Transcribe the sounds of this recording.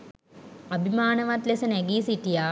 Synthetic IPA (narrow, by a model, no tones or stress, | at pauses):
abʱimaːnəʋat̪lesənæɡiːsiʈijaː